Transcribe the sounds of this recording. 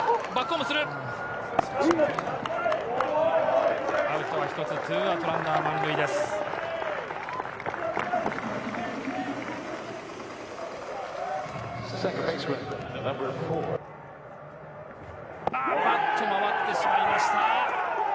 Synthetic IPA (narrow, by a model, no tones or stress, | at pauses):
bakːomosɨɾɯ | aɯt̪oβaçi̥t̪o̞t͡sɨt̪ʰɨat̪oɾãnːamãŋɡɯid̪es | ssɛ̃ŋkə̃pẽsɹɛ̃nnʌ̃mbə˞fɔ | batʰːomaβat̪ːe̞ɕimaimaɕi̥t̪a